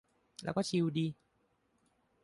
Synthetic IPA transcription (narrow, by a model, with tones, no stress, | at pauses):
lɛ̰ː˦˥wkɔː˥˩t͡ɕʰi˧wdiː˧